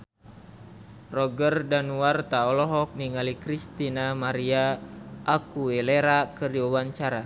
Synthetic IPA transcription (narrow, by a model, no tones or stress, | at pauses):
rɔɡərdanuwart̪aɔlɔɦɔk̚niŋalikɾist̪inamaɾiaʔːkuɛleɾakɨrdiuwaɲt͡ʃaɾa